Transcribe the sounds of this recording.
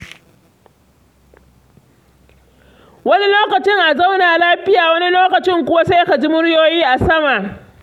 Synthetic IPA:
wɐ˦ni˦loː˦kɐ˨t͡ʃɪ˦ŋʔa˨za˦wnaː˨laː˦ɸɪ˦jaː˨wɐ˦ni˦loː˦kɐ˨t͡ʃɪ˦ŋkʷʊ˦wa˦sa˦jka˨d͡ʒi˦mʊ˦ɽjoː˦jiː˦ʔa˨sɐ˦ma˨ʔ

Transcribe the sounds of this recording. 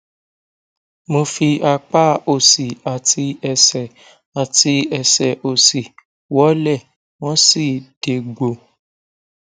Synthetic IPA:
mo˧fi˧a˧k͡pa˦o˦˨si˨a˨ti˧ɛ˧sɛ˨ | a˨ti˧ɛ˧sɛ˨ʔo˨si˨ | wɔ˨˦lɛ˦˨ | w̃ɔ̃˦si˦˨d̥e˨˧ɡ͡bo˨

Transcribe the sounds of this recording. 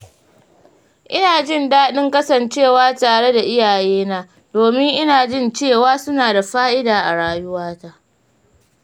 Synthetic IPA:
ʔɪ˦naː˨d͡ʒɪ˦˨ndaː˦ɗɪ˦ŋkɐ˦sɐ˨nt͡ʃeː˦˨waː˦taː˨ɽe˦da˨ʔɪ˦jaː˨jeː˦naː˦ | doː˨mɪ˦ŋʔɪ˦naː˨d͡ʒɪ˦˨nt͡ʃeː˦˨waː˦sʊ˦naː˨da˨ɸaː˦ʔɪ˦daː˨ʔa˨ɽaː˦jʊ˦waː˦ta˦ʔ

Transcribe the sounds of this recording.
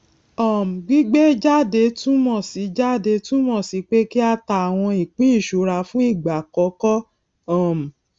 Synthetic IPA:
ɔ˦˨m̩˨ɡ͡bi˦ɡ͡be˦d͡ʒa˦˨de˧˦tũ˦mɔ̃˦˨si˨˦d͡ʒa˦˨de˨˧tũ˦mɔ̃˦˨si˨˦k͡pe˦ki˦a˧ta˧˨a˨w̃ɔ̃˧i˨k͡pĩ˦˨ʃu˨˦ɾa˧˦fũ˦i˦˨ɡ͡ba˨kɔ˨˦kɔ˦ | ɔ˦˨m̩˨

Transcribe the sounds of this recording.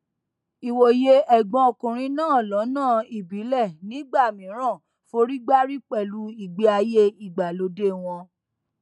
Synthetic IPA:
i˨wo˨je˧˦ɛ˨ɡ͡bɔ̃˧o˨kũ˨ɾ̃ĩ˨˧˦nãː˦˨lɔ˨˦nãː˦˨i˨bi˨˦lɛ˦˨nĩ˨˦ɡ͡ba˦˨mĩ˨˦ɾ̃ã˦˨ | fo˧˦ɾi˦ɡ͡ba˦ɾi˦k͡pɛ˦˨lu˧i˨ɡ͡be˦a˧je˦i˨ɡ͡ba˨lo˧de˦w̃ɔ̃˧

